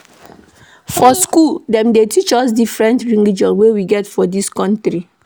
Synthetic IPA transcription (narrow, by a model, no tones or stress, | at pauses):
fɔskuldɛ̃mdetʰit͡ʃɔsdifɹɛ̃ntɹĩŋid͡ʒɔ̃nwewiɡɛtfɔdiskɔ̃ntɾi